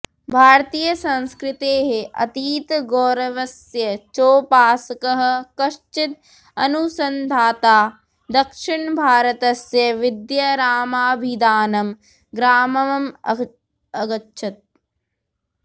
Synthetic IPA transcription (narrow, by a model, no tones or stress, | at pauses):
bʱaːɾt̪iːjɐsɐ̃nskɾɪt̪eːɦeʔɐ̰t̪iːt̪ɡoːɾɐʋɐsjɐt͡ʃoːpaːsɐkɐɦɐ̆kɐʂt͡ʃit̪̚ | ɐnusɐnd̪ʱaːt̪aː | d̪ɐkʂiɳbʱaːɾɐt̪ɐsjɐʋid̪jɐɾaːmaːbʱid̪aːnɐm | ɡɾaːmɐʋɐmɐ̰ | ɐɡɐtːʃʰɐt̪̚